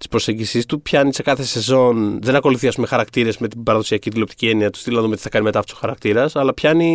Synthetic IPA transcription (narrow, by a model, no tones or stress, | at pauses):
t̪ispɾo̞seɲɟisist̪upçɐnise̞kɐθe̞se̞zo̞nðenɐko̞luθiɐspumexɐɾɐkt̪iɾe̞zme̞t̪ibɐɾɐðo̞siɐcit̪ilo̞p̚t̪i̥cie̞niɐt̪u̥st̪ilnɐðumt̪iθɐ̥kɐnime̞t̪ɐfouso̥xɐɾɐk̚t̪iɾɐsɐlɐpçɐni